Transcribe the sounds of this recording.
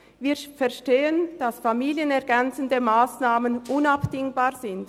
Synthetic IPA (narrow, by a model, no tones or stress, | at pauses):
viːfɛɐʃteːənd̥asfamiːljənɛʁɡɛnt͡səndəmaːsnaːmənʔʊnapd̥ɪŋbaːʁzɪnd